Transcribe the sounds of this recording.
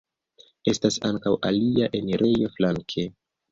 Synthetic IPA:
e̞stasaŋkawʔa̰liaʔe̞neɾʔe̞jo̞flaŋkʰe

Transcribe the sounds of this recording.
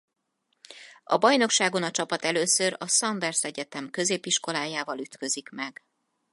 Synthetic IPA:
ɒ̰bɒjno̞kʃaːɡo̞nɒt͡ʃɒpɒt̪ɛløːsøɾɒsɒnd̪ɛrsɛɟɛt̪ɛmkø̞zeːpiʃko̞laːjaːvɒlyt̪kø̞zikmɛɡ̥

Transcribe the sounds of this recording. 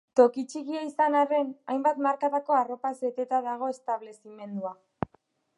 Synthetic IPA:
t̪o̞kit͡ʃiɣiaisanare̞najmbat̪maɾkat̪ako̞aro̞paset̪e̞t̪aðaɣ̞o̞e̞st̪aβle̞sime̞nd̪ua

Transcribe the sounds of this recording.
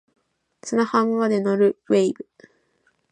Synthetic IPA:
sɨnahãŋɡad̪e̞noɾɯ̟we̞ibɯ̟

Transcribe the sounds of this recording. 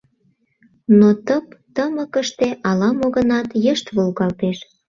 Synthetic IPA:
not̪əpt̪əməkəʃt̪eʔɑlɑmoɣə̆nɑt̪jəʃt̪βolɣɑlt̪eʃ

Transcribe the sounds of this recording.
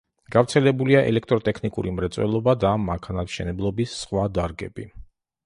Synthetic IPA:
ɡ̥avɾt̪sʰɛlɛbuliaʔɛ̰lɛkʰt̪ʼɾɔt̪ʼɛkʰnikʼṵɾimɾɛt̪sʼwɛ̰lˠɔbad̪amːakʰanat̪ʃɛ̰nɛblˠɔbisːχwad̪aɾɡɛbi

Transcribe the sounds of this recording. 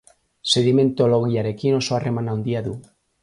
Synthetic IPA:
seðimẽnt̪oloɣjaɾekinosoaremanaũnd̪iaðu

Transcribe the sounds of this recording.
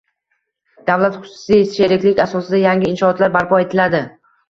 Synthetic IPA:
d̪̥avlat̪χʊ̥sɪ̥sɪsʃeɾɪkʲlɪkʲasɒsɪd̪ajaŋʲɪɪnʃɒɒːt̪laɾbaɾpʰɒe̞t̪ʰɪlad̪ɪ

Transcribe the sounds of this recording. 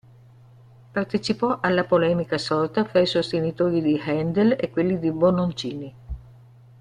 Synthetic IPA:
part̪et͡ʃipɔʔalːapolɛːmikasɔrt̪afɾaisost̪enit̪oːɾid̪ihɛnd̪elekːwelːid̪ibonont͡ʃiːni

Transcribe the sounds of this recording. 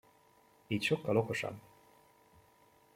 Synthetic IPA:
iːcʃo̞kːɒlo̞ko̞ʃɒ̰b

